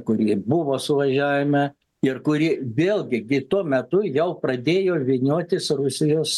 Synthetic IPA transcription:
kʊɾʲiːbʊʋoːsʊʋɐʒʲæːʋʲɪmɐ | ɪrkʊɾʲiʋʲeːlʲˠɡʲɪɡʲɪt̪uɔmʲɛt̪ʊjɛʊprɐd̪ʲeːjoːʋʲɪnʲoːt̪ʲɪsrʊsʲɪjoːs

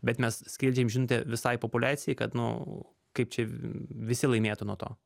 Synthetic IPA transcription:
bʲɛt̪mʲɛssʲkʲɪlʲd͡ʒʲɛjmʒʲɪnʊt̪ʲɛʋʲɪsɐɪpopʊlʲæːtt͡ssʲɪjɛɪkɐt̪nʊ̰ | kɐɪp̚t͡ʃʲɛʋʲɪsʲɪlˠɐɪmʲeːt̪ʊnuɔt̪o̰ː

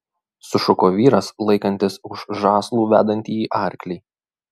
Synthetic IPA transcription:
sʊʃʊkoːʋʲiːɾɐslˠɐɪkɐnʲt̪ʲɪsʊʃʒɑːslˠuːʋʲæ̰ːd̪ɐnʲt̪ʲiːiːʔɑˑɾʲklʲɛː

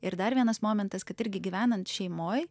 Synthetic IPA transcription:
ɪɾd̪ɐɾʋʲiɛnɐsmoːmʲɛnt̪ɐskɐt̪ɪɾʲɡʲɪɡʲiːʋʲæːnɐnt̪ʃʲɛɪmoːj

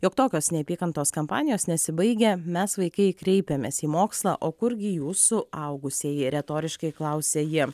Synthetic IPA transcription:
joːkt̪oːkʲoːsnʲɛpʲiːkɐnt̪oːskɐmpɑ̰ːnʲɪjoːsnʲɛsʲɪbɐɪɡʲɛmʲɛsʋɐɪkɐɪkɾʲɛɪpʲɛmʲeːsiːmoːkslˠɑ̰ːʔoːkʊɾɡʲɪjuːsʊɐʊɡʊsʲeːjɪɾʲɛt̪oːɾʲɪʃkɐɪklˠɐʊsʲɛːjɪ

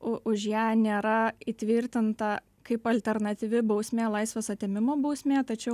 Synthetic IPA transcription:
ʊʔʊʃjæːnʲeːɾɐiːt̪ʲʋʲɪɾʲt̪ʲɪnt̪ɐ | kɐɪpɐlʲt̪ʲɛrnɐt̪ʲiːʋʲɪbɐʊsʲmʲeːlˠɐɪsʲʋʲeːsɐt̪ʲeːmʲɪmoːbɐʊsʲmʲeːt̪ɐt͡ʃʲɛʊ

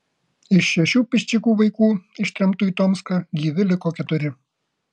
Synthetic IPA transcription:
ɪʃːʲɛʃʲuːpʲɪʃʲt͡ʃʲɪkuːʋɐɪkuːɪʃʲt̪ʲɾʲɛmt̪uːit̪ɔmskɑɡʲiːʋʲɪlʲɪkoːkʲɛt̪ʊɾʲɪ

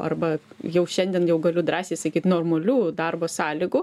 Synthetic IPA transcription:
ɐ̰rbɐ | jɛʊʃʲɛnʲd̪ʲɛnjɛʊɡɐlʲʊd̪ɾɑːsʲeːsɐkʲiːt̪noːrmɐlʲuːd̪ɐrboːsɑːlʲiɡʊ

